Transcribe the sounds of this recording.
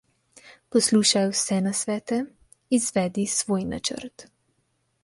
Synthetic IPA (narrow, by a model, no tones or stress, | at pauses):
pɔsluːʃajwsɛnasʋɛːt̪ɛ | izʋɛːd̪isʋoːjna̰t͡ʃə̰ɾt̪